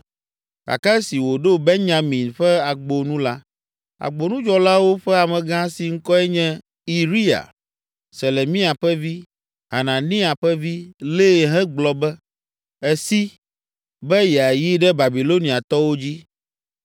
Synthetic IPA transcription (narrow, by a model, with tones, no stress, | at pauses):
ka̰˨ka˦ɛ˦si˨wo˨ɖo˦be˦ɲã˨mĩ˨nɸɛ˦a˨ɡ͡bo˨nũ˦la˦ | a̰˨ɡ͡bo˨nũ˦d͡ʒɔ˦la˦wo˦ɸɛ˦a˨mɛ̃˨ɡã˦si˨ŋ̩˦kɔ˦ɛ˦ɲɛ̃˦ | i˨ɾi˦a̰˨ | se˨le˨mĩ˦a˨ɸɛ˦vi˦ | ɦa˨nã˨nĩ˦a˨ɸɛ˦vi˦le˦˨ɦɛ̃˦ɡ͡blɔ˨bɛ˦ | ɛ˦si˦ | bɛ˦jɛ˨a˨ji˦ɖɛ˦ba˨bi˨lo˦nĩ˨a˨t̪ɔ˦wo˦d͡ʑi˦